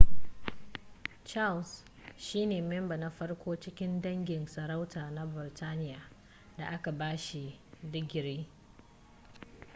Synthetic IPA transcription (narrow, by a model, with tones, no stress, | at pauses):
t͡ʃa˦ls | ʃiː˦neː˨mɛ˦mbɐ˨na˦ɸɐ˦rkʷoː˦t͡ʃɪ˦kʲɪ˦ndɐ˦ŋɡʲɪ˨nsɐ˨ɾa˦wtaː˨na˦bɪ˨ɾtʰaː˦nɪ˦jaː˨ | da˨ʔa˦ka˨baː˦ʃi˨dɪ˦ɡʲɪ˨ɾiː˦